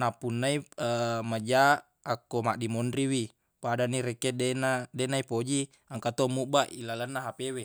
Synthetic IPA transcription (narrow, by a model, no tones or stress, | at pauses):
napunːaimad͡ʒaʔː | kːomaʔdimondɾiwi | padanːiɾekedenadenaipod͡ʒi | aŋkat̪omuʔbaʔilalənːaɦapewe